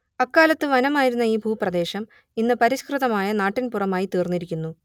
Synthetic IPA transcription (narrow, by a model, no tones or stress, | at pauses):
ɐkːaːlɐt̪ːɨʋɐnɐmaːjiɾunːɐiːbʱuːprɐd̪e̞ːɕɐm | inːɨpɐɾiɕkrɨðɐmaːjɐnaːʈːinpurɐmaːjit̪iːrnːiɾikʲːunːu